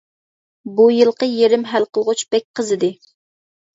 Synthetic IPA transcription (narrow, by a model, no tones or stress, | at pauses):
bujɨlˠqəjeɾɪmɦælqəlˠʁʊt͡ʃb̥ɛk̚ʲqəzɨd̪ɪ